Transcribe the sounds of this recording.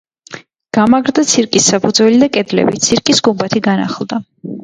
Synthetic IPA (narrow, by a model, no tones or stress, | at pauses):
ɡ̥amaɡɾd̪at̪sʰiɾkʼisːapʰud̪zwɛlid̪akʼɛd̪lɛ̰bit̪sʰiɾkʼisɡumbat̪ʰiɡana̰χlˠd̪a